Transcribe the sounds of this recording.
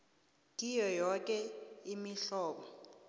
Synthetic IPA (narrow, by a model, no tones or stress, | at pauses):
kʼijɔjɔk̬ʼɛimiɬɔːɓɔ